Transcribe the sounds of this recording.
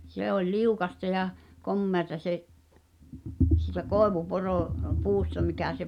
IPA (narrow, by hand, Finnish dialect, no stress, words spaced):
se olʲ liukɑstɑ jɑ komːeɑtɑ seʔ siˑtæ koˑeʋuporo puːstɑ mikæˑ se